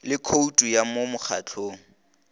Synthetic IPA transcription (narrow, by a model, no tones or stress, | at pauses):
lɪkʰoutʼujamomʊk͡xʰa̰t͡ɬʰoːŋ̩